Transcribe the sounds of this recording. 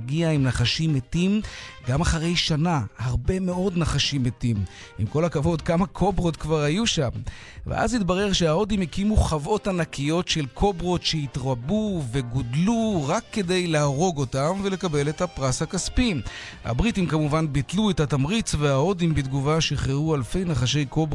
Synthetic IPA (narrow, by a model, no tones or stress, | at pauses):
ɡiaimnaχaʃimetimɡamaχaʁe̞jʃanahaʁbe̞me̞o̞dnaχaʃimetim | imko̞lakavo̞dkamakʰo̞bʁo̞tkvaʁhajuʃam | vḛʔa̰zitbaʁe̞ʁʃeao̞dimekimuχavo̞tanakijo̞tʃe̞lkʰo̞bʁo̞tʃeitʁabuve̞ɡodluʁakːe̞de̞jlaaʁo̞ɡo̞tamvele̞kabe̞letapʁasakaspim | ha̰bʁitimkamuvanbitluetatamʁit͡sveao̞dimbid̪ɡuvaʃiχeʁualfe̞jnaχaʃe̞jkob